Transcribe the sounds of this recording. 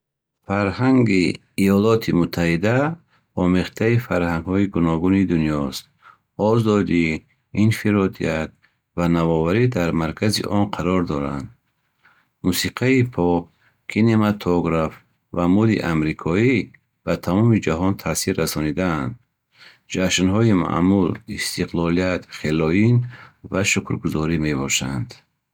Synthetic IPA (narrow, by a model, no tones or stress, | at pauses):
faɾhaŋɡḭː | jɔlɔt̪ʰimut̪ʰːahid̪a | ɔmeχt̪ʰaifaɾhaŋɡhɔiɡunɔɡunid̪unjɔst̪ | ɔzɔd̪i | infiɾɔd̪ḭat̪̚ | vanavɔvaɾid̪aɾmaɾkʰazḭʔɔnqʰaɾɔɾd̪ɔɾa̰nd̪ | musiqʰaipʰɔk | kʰinemat̪ʰɔɡɾaf | vamud̪ḭʔamɾikʰɔi | bat̪ʰamɔmid͡ʒaɦɔnt̪ʰasiɾːasɔnid̪aand̪ | d͡ʒaʃnɦɔima̰mulist̪iqlɔlijat̪χelɔinvaʃukɾɡuzɔɾime̞bɔʃand̪